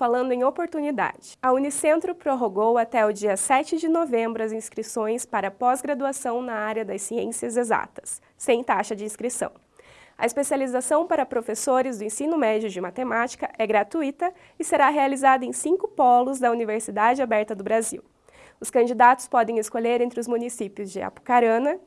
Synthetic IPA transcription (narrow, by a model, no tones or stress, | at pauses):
falɐ̃nd̪ʊẽj̃opoɾt̪unid̪a̰d͡ʒɪɐunisẽnt̪ɾʊpɾoɦoɡowat̪ɛʊd͡ʒiɐsɛt͡ʃɪd͡ʒɪnovẽmbɾʊɐzĩskɾisõj̃spaɾɐpɔzɡɾad̪uasɐ̃w̃nɐaɾjɐd̪ɐsiḛ̃siɐzeza̰t̪ɐ̥sː | ẽj̃t̪aʃɐd͡ʒɪĩskɾisɐ̰̃w̃ | ɐ̰ɪspesializasɐ̃w̃paɾɐpɾofesoɾɪzd̪ʊẽsĩnʊmɛd͡ʒʊd͡ʒɪmat̪emat͡ʃi̥kɐʔɛɡɾat̪uit̪ɐ | ɪseɾaɦealizad̪ɐẽj̃sĩkʊpɔlʊzd̪ɐuniveɾsid̪ad͡ʒɪabɛɾt̪ɐd̪ʊbɾazḭw | ʊskɐ̃d͡ʒid̪at̪ʊ̥spɔd̪ẽj̃ɪskoʎeɾẽnt̪ɾɪʊzmũnisipiʊzd͡ʒɪa̰pu̥kaɾɐ̃nɐ